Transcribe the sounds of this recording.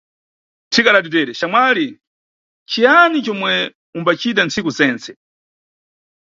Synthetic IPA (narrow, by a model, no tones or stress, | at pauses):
tʰikaɾatit̬ɛːɾɛʃamwali | t͡ʃʰijanit͡ʃɔmwɛ | umbat͡ʃʰit̬ant͡sikuzɛːnt͡sɛ